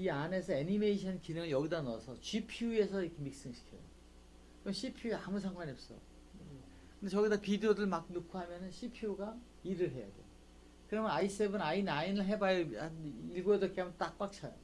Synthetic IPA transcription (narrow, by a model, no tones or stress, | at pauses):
iane̞sʰʌenimeɕʰʌnkinɯŋɯɭjʌɡidanʌsʰʌt͡ɕipʰiue̞sʰʌiɾkʰemik̚s͈ɯŋɕʰi̥kʰjio̰ | kɯɾmɕʰipʰjueamus̬ʰaŋɡwaɲiʌp̚s͈ʌ̰jo | kʰɯndeʌɡidapidijodɯɭmak̚nukʰuɦamjʌnɯnɕʰipʰijoɡa | iɾɯɭɦe̞ja̰dḛjo | kɯɾʌmʌnais͈ebɯnainainɯɭɦe̞bajʌaniɭɡoʌdok͈ʰeɦamjʌnt͈ak̚p͈ak̚t͡ɕʰajo̰